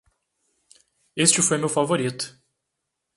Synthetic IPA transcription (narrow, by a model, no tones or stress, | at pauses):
est͡ʃɪfojmewfavoɾit̪ʊ̥